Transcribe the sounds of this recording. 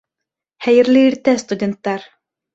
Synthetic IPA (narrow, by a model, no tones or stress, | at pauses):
χæjɘ̆ɾlʲɘiɾt̪æst̪ud̪ʲent̪ːɑɾ